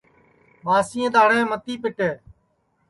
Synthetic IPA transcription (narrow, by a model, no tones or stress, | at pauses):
ɓaːsɪ̃ːẽːd̪aːɽẽːmət̪iːpɪʈeː